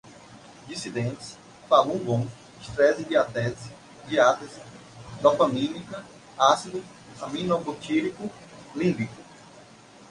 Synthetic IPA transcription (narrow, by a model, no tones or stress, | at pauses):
d͡ʒ̪isid̪ẽnt̪ɪ̥s | palũbõ | iʃt̪ɾɛzibiat̪ɛsi | d͡ʒiat̪ɐs | d̪ɔpɐmĩnikɐ | asid̪u | amĩnɔkot͡ʃiɾikʊ | lĩbikʊ